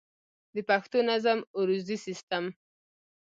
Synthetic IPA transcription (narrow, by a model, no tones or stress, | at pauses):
d̪əpaxt̪onazamuɾuzisist̪am